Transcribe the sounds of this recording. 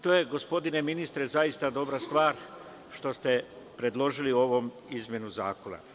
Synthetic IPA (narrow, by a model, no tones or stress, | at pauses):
t̪o̞ːje̞ɡo̞spo̞d̪ine̞minist̪ɾe̞zajist̪ad̪o̞bɾast̪ʋaːɾ | ʃt̪o̞st̪e̞ | pɾe̞d̪lˠo̞ʒilio̞ʋo̞m | izmʲje̞nuza̰ːko̞na̰